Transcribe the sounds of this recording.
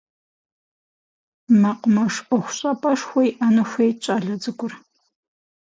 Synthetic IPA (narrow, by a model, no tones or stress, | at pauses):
mɐqmɐʂɐxʷʊɕʼɐpʼɐʂxʷɔjʔɐnɨxʷejt͡ʃʼɐɮɐd͡zɨɡʷʼʊr